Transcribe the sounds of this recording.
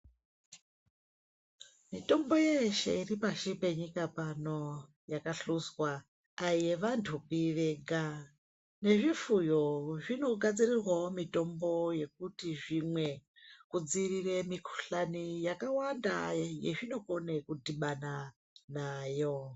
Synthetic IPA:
mito̞mbo̞jeʃe̞̰iripaʃipe̞ɲikapano̞ | jakaɬuzwaː | je̞ʋantʰukiʋeɡʱa | ne̞ʐifujo̞ʐino̞ɡʱad͡zirirwaomito̞mbo̞je̞k̚utiʐimwe̞ | kud͡ziriremikʰu̥ɬanijakawanda̰jḛʐino̞ko̞ne̞kudiɓana | naːjo̞

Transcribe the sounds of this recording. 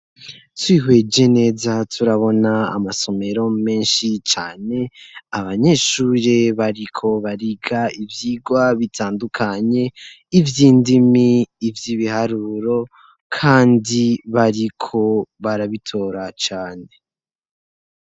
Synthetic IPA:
twiːɦwe̞d͡ʒe̞ne̞ːzatʰuɾaβo̞na̰ːmaso̞me̞ɾo̞me̞ːnʃit͡ʃa̰ːne̞aβaɲe̞ʃuːɾeβaɾikʰo̞βaɾiɡaivjiːɡwaβitʰaːndukʰaɲe̞ | ivjiːndimiːvjiβihaɾuːɾo̞ | kʰaːndiβaɾikʰo̞βaɾaβitʰo̞ːɾat͡ʃaːne̞

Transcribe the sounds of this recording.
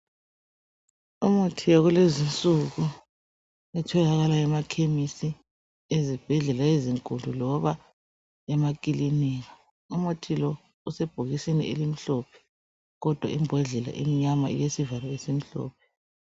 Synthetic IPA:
umotʰijɔɣulezint͡sʼuɣu | ɛtʰɔlaɣalaɛmakʰemisi | ezib̥ʱɛɮɛlaeziŋkʼundʱulɔβa | ɛmak̬ʼiliniːɣa | umotʰilɔ | usɛb̥ʱoɣisinḭʔelim̩ɬɔpʰɛ̥ | ɣɔd̥ʱwa̰imbʱɛɮɛla̰ʔḭmiɲama̰ḭjesivalɔesim̩ɬɔ̰ːpʰɛ̥

